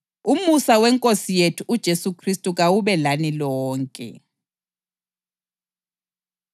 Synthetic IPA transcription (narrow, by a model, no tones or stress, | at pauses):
umusawɛŋkʼosijetʰuʔud̥ʒ̥ʱesukʰristʼuɣ̬awuβɛlanilɔːŋkʼɛ̰